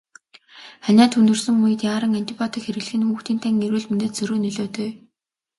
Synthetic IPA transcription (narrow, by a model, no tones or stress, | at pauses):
χænʲaːt̪ʰunt̪ɵ̆rsɵ̆ŋːujɘ̆t̪jaːɾə̆ŋant̪ʰʲipʰɔt̪ʰĭkxeɾɘ̆ɣɮɘ̆xɘ̆nxuːxt̪iːnt̪ʰæŋeɾwɘ̆ɮmɵneːt̪t͡sɵɾɵːnɵɮoːt̪eː